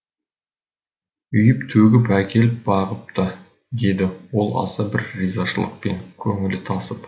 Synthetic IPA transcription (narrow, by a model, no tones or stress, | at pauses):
ʏjɪpt̪ʰɵɡʲɪpækʲʰe̞lɪp̚bɑʁəp̚t̪ɑ | d̪e̞d̪ɪwo̞lˠɑ̰sɑbɪɾːijzɑʃəlˠə̰q̚pe̞ŋkʲʰɵŋɪlɪt̪ʰɑsəp